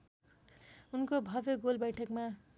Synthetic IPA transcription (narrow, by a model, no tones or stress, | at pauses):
unkobʱʌbjoɡolbʌjʈʰʌkma